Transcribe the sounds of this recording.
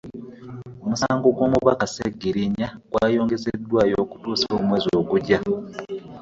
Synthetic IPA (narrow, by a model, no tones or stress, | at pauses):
omusaːŋɡo̞ɡwo̞ːmuβakasḛɡiɾiɲaɡ̥waːjo̞ːŋɡe̞sedːwaːjo̞ːku̥tuːsoːmwe̞ːzoːɡuɟa